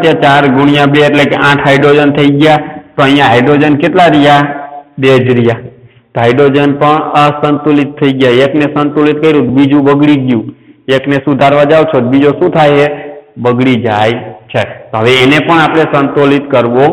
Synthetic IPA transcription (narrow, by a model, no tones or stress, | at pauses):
t̪jat͡ʃaɾɡʊɽ̃ijãbeeʈlekeʔãʈʰɦaɪɖɾod͡ʒənt̪ʰəiɡjat̪oəɦijãɦajɖɾod͡ʒənket̪laɾijad̪ed͡ʒɾija | t̪ɦajɖod͡ʒənpəɳəsənt̪ulit̪ʰːəiɡjaeknesənt̪olit̪̚kəiɾũt̪bid͡ʒũbəɡɽiɡjũeknesud̪ʱaɾʋad͡ʒaʋt͡ʃʰot̪̚bid͡ʒoʃũt̪ʰajebəɡɽid͡ʒajt͡ʃʰet̪oɦəʋeːnepəɳapɽ̃esənt̪olit̪kəɾʋo